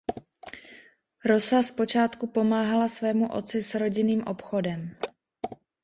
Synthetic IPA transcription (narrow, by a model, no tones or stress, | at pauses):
ɾo̞saspo̞t͡ʃaːt̪kupo̞maːɦalasvɛːmuʔo̞̰t͡sɪsɾo̞ɟɪniːmʔopxo̞dɛm